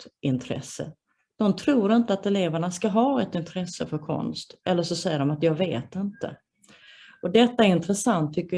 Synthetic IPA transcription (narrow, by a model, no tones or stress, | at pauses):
t̪ʔɪnt̪ʰɾɛ̰sə̰ | d̪̥ɔmt̪ʰɾuːɾɪnt̪əat̪ɛleːvaɳaskaɦɑːɛt̪ɪnt̪ʰɾɛsːəfœɾkʰɔ̰nst̪ʔɛlːəʂɔsɛjːəɖɔmat̪jɑːɡvḛːt̪ɪnt̪ə̰ | ɔd̪ɛt̪ːaæɾɪnt̪ɾəsant̪ʰːʏkːə